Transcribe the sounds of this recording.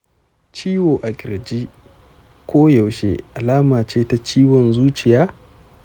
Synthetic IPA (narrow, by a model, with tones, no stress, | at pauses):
t͡ʃiː˦woː˨ʔa˨kʲʼɪ˨ɾd͡ʒi˦ | kʷoː˦ja˨wʃḛ˦ʔa˨laː˦maː˨t͡ʃeː˦ta˦t͡ʃiː˦wɔ˨nzuː˦t͡ʃɪ˨jaː˦